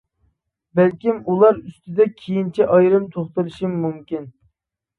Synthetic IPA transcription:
bælkʲimulˠɑɾyst̪ɪd̪ɛkʲʰejint͡ʃʰiʔɑjɾɨmt̪ʰoχt̪ɨlˠɨʃimːumkʲin

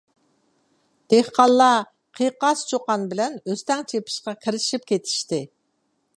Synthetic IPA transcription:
d̪̥ehqɑlˠːɑ | qʰiqɑst͡ʃʰoqɑnbɪlɛnøst̪ɛŋt͡ʃʰepʰi̥ʃqɑkʲʰiɾɪʃip̚kʲʰet̪ʰi̥ʃt̪ɪ

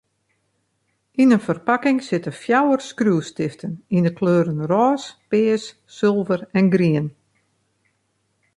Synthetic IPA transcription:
inənfərpakɪŋsɪtəfjawərskruəstɪftʰənindəkʰløːɾənrɔːspɪːəs | sɪlˠvərɛnɡriən

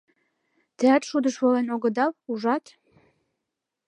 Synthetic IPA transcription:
t̪eɑt̪ʃud̪əʃβolenoɡə̆d̪ɑwuʒɑt̪

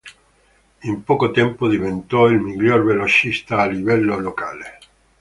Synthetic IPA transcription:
impɔkot̪ɛmpod̪ivent̪ɔilmiʎjorvelot͡ʃist̪aːlivɛlːolokaːle

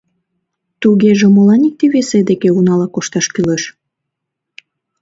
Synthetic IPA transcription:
t̪uɣeʒemolɑnik̚t̪iβesed̪ekeunɑlɑkoʃt̪ɑʃkyleʃ

